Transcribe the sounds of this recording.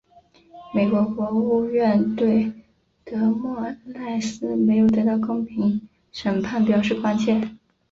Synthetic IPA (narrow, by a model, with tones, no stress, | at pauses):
me˨˩ɪkwɔ˧˥kwɔ˧˥u˥˧ɥɛ˥˧nt̪we˥˩ɪ | t̪ɤ˧˥mwɔ˥˩˥nna˥˩ɪsɹ̩˥me˧˥ɪjo˨˩ʊt̪̬ɤ˧˥t̪ɑ˥˩ʊkʊ˥ŋpʰi˧˥ŋ | ʂə˨˩npʰa˥˩npjɑ˨˩ʊʂɻ̩˥˩kwa˥nt͡ɕʰjɛ˥˩